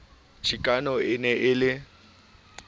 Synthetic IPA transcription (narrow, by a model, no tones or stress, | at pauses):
t͡ʃʰikʼanɔɪnɛʔɪlɪ